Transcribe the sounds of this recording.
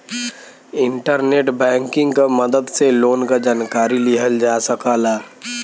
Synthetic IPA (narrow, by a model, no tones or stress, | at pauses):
ɪɳʈəɾneːʈbɛ̃ːŋkɪ̃ŋɡkaməd̪əd̪seloːnkad͡ʒaːnkaːɾilɪɦəld͡ʒaːsəkaːlaː